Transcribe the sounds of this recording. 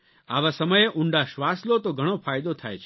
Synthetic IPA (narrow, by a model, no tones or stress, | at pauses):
aʋasəməjeʔuɳɖaʃʋaslot̪oɡʱəɽ̃ofajd̪ot̪ʰa̰jt͡ʃʰ